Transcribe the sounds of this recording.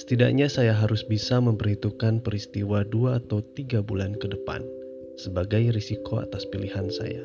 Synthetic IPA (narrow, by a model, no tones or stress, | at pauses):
sə̥t̪ida̰ʔɲasajaɦaɾʊsbisaməmpərhit̪ukanpəɾist̪iwaduaːt̪awt̪iɡabulankədəpa̰n | səbaɡajrisikoa̰t̪aspilihansa̰ja̰